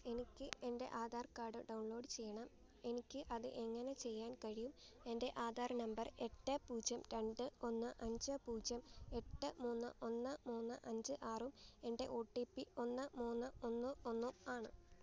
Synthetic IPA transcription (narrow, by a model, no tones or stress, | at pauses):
e̞nikʲːɨende̞̰ʔaːd̪ʱaːrkaːɖɨɖɐwɳlo̞ːɖɨt͡ɕe̞jːɐɳɐm | e̞nikʲːɨʔɐðɨ̰ʔe̞ŋːɐne̞t͡ɕe̞jːaːnkɐɻijume̞nde̞ʔaːd̪ʱaːrnɐmbɐre̞ʈːɐpuːd͡ʑjɐmɾe̞ɳɖɨo̞nːɨʔɐɲd͡ʑɨpuːd͡ʑjɐme̞ʈːɨmuːnːɨ̰ʔo̞nːɨmuːnːɨ̰ʔɐɲd͡ʑɨʔaːrume̞nde̞̰ʔo̞ːʈːiːpːio̞nːɨmuːnːɨo̞nːɨonːumaːɳɨ